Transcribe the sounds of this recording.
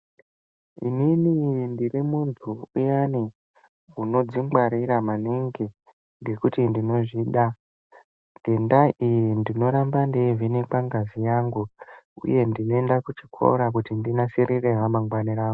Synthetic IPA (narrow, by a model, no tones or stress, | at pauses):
ḭninindirimuntʰuujani | uno̞d͡ziŋɡwaɾiɾamaniŋɡi | ŋɡe̞kutindino̞ʐiɗa | ɡʱe̞ndaʔijindino̞ɾambandevinekaŋɡazijaŋɡuṵje̞ndino̞endakut͡ʃi̥kʰo̞̰ɾak̬utindinasiɾireɦamaŋɡwaniraːŋɡu